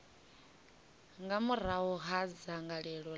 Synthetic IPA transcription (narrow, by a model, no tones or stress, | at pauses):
ŋɡamuɾ̤awɔɦad͡zaŋɡaɺɛɺɔ